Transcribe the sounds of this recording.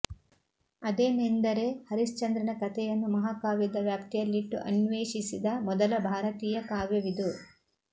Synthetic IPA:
ɐd̪eːnend̪ɐɾe̞hɐɾist͡ʃɐnd̪ɾɐnɐkɐt̪ʰɛjɐnːumɐɦaːkaːʋjɐd̪ɐʋjaːpt̪ijɐlːiʈːṵʔɐ̰nʋeːʃisid̪ɐmɔd̪ɐlɐbʱaːɾɐt̪iːjɐkaːʋjɐʋid̪u

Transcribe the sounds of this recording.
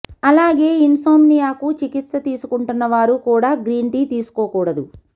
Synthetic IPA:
ɐlaːɡe̞ːinsoːmnijaːkut͡ʃikit̪sɐt̪iːsukuɳʈunːɐʋaːɾukuːɽaːɡɾiːɳʈiːt̪iːsu̥koːkuːɽɐd̪u

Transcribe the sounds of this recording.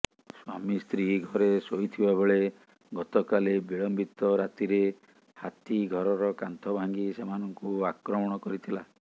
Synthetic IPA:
swamist̪ɾiɦɡʱɔɾesojt̪ʰibabeɭe | ɡɔt̪ɔkalebiɭɔmbit̪ɔɾat̪iɾe | hat̪iɡʱɔɾɔɾɔkant̪ʰɔbʱaŋɡisemanɔŋkuakɾɔmɔɽ̃ɔkɔɾit̪ʰila

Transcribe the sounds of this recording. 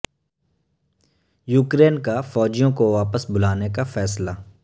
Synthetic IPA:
juːkɾeːnkafɔːd͡ʒijõkoʋaːpəsbʊlaːnekafɛːsla

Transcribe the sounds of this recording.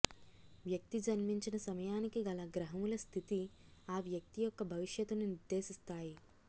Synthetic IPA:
ʋjɐk̚t̪id͡ʒɐnmiɲt͡ʃinɐsɐmɐjaːnikiɡɐlɐɡɾɐɦɐmulɐst̪ʰit̪iaːʋjɐk̚t̪ijɔkːɐbʱɐʋiʂjɐt̪ːuniniɾd̪ːe̞ːʃist̪aːji

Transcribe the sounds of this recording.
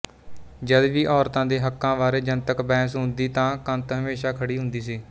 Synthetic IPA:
d͡ʒəd̪ʋiːʔɔːɾt̪ãːd̪eːɦəkːãːʋaːɾeːd͡ʒənt̪əkbɛːsɦʊnd̪iːt̪ãːkənt̪ɦəmeːʃaːkʰəɽiːɦʊnd̪iːsiː

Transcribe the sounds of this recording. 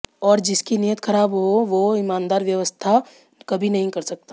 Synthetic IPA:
ɔːɾd͡ʒɪskiniːjət̪xɐɾaːbɦoʋoɪmãːnd̪aːɾʋjɐʋəst̪ʰa | kɐbʱinɐɦĩkɐɾsɐk̚t̪a

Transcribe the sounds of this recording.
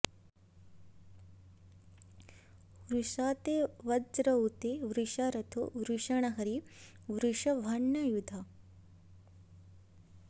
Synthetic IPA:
ʋɾuʃaːt̪eːʋɐdɾɐut̪eʋɾuʃaɾɐt̪ʰṵʋɾuʂɐɳɐɦɐɾiʋɾuʂɐʋʱɐɳːɐjud̪ʱa

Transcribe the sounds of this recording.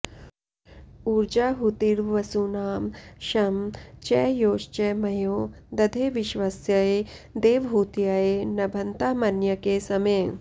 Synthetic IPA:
uɾd͡ʒaːɦut̪iɾʋɐsunaːmʃɐmt͡ʃɛːjoːʃt͡ʃɛmɐjoː | d̪ɐd̪ʱeːʋiʃʋasjɐed̪eːʋɦuːt̪jajeːnɐbʱɐnt̪aːmɐnjɐkeːsɐmeː

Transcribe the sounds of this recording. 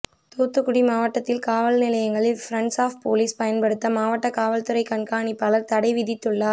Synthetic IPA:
t̪uːt̪ːɯkːʊɽimaːʋɐʈːɐt̪ːɪlkaːʋɐlnɪlɐjɐŋɡɐɭɪlfɾɐɳɖsaːfpoːliːspɐjɐnpɐɽɯt̪ːɐmaːʋɐʈːɐkaːʋɐlt̪ɯɾɐɪkɐɳkaːɳipːɐlɐɾt̪ɐɽɐɪʋɪðɪt̪ːɯɭːaː

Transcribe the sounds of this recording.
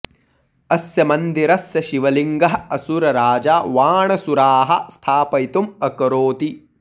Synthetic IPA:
ɐsjɐmɐnd̪iɾɐsjɐʃiʋɐliŋɡɐɦɐsuɾɐɾaːd͡ʒaːʋaːɳɐsuɾaːɦɐ̆st̪ʰaːpɐjt̪umɐkɐɾoːt̪i

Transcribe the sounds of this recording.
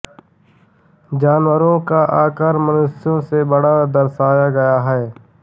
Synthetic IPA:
d͡ʒaːnwəɾõkaʔaːkaːɾmənʊsjõsebɐɽad̪ɐɾsaːjaɡɐjaɦɛː

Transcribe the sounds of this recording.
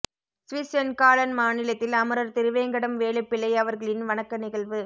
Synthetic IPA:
sʋɪsɐnkaːlɐnmaːnɪlɐt̪ːɪlɐmɯɾɐɾt̪ɪɾɯʋeːŋɡɐɽɐmʋeːɭɐɪpːɪlːɐɪɐʋɐɾɣɐɭɪnʋɐnɐkːɐnɪɣɐɭʋɯ

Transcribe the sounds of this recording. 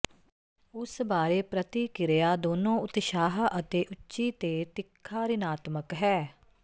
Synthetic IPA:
ʊsbaːɾeːpɾət̪iːkɪɾejaːd̪oːnõːʊt̪ʃaːɦʔət̪eːʔʊtːʃiːt̪eːt̪ɪkʰːaːɾɪnaːt̪məkɦɛː

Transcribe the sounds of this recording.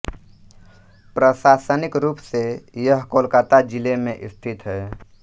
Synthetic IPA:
pɾəʃaːsənɪkɾuːpsejəɦkoːlkat̪ad͡ʒɪlemẽʔɪst̪ʰɪt̪ɦɛː

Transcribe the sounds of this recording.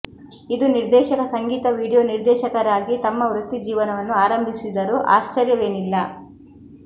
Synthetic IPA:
id̪uniɾd̪ɛːʃɐkɐsɐŋɡiːt̪ɐʋiːɽijoːniɾd̪ɛːʃɐkɐɾaːɡit̪ɐmːɐʋɾut̪ːid͡ʒiːʋɐnɐʋɐnːuaːɾɐmbʱisid̪ɐɾuʔa̰ːʃt͡ʃɐɾjɐʋe̞ːnilːɐ

